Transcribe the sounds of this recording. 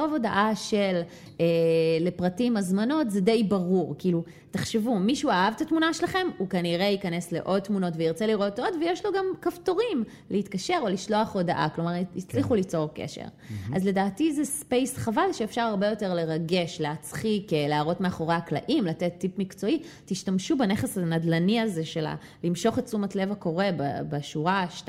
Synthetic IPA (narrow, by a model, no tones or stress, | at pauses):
ovo̞daʔaʃel | eːe̞pʁatimazmano̞tzede̞jbaʁuʁkiːlu | teχʃevumiʃuaavt̪atmunaʃelaχe̞mukaniʁeikane̞sle̞̰ʔo̞d̚t̪ːmuno̞tveiʁt͡seliʁo̞todvejeʃlo̞ɡamkafto̞ʁim | lʔehitkaʃe̞ʁo̞liʃlo̞aχo̞daʔa̰klo̞maʁit͡sliχulit͡so̞ʁkḛʃḛʁ | azle̞daːtizespe̞jsχavalʃeefʃaʁaʁbe̞jo̞te̞ʁle̞ʁaɡe̞ʃleat͡sχikeleaʁo̞tme̞aχo̞ʁeakla̰ʔimlatet̪ːipmikt͡so̞i | tiʃtamʃubeneχesanadlaniaze̞ʃela̰ | limʃo̞χett͡sumatle̞vako̞ʁe̞babeʃuʁaʃt